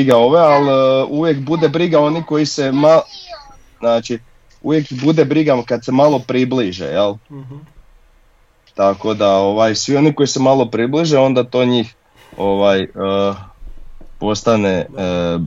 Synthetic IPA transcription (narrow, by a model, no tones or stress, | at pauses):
iɡao̞ʋealuʋje̞kbud̪e̞bɾiɡao̞niko̞jise̞ma | znaːt͡ʃi | ṵʋje̞kbud̪ebɾiɡakad̪se̞malˠo̞pɾibliʒḛjel | t̪ako̞d̪ao̞ʋajsʋio̞niko̞jisemalˠo̞pɾibliʒeo̞nd̪at̪o̞ɲiːx | o̞ʋajə | po̞st̪ane